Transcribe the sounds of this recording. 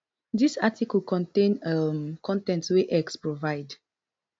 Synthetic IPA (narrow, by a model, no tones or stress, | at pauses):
disatʰikəlkɔ̃ntẽnəmkʰɔ̃ntɛ̃ntweʔɛkspɹovaɪd